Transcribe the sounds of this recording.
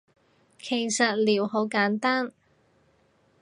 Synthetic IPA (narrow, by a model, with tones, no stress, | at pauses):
kʰe˨˩jsɐ˨t̚liː˨˩wɦo˨˥wkaː˨˥nt̪aː˥n